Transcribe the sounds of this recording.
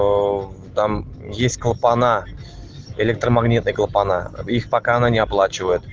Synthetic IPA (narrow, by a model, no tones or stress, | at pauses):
t̪amjesʲtʲklˠpana | elʲek̚t̪romaɡnʲit̪nɨjkəlˠəpanaixpakaːnanʲeaplˠat͡ʃivəjət̪